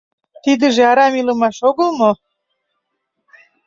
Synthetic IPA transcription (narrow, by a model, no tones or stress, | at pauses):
t̪id̪ə̆ʒeɑɾɑmilə̆mɑʃoɣə̆lmo